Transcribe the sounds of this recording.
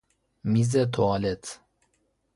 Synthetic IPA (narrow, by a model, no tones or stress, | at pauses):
mizɛt̪ʰoalɛt̪ʰ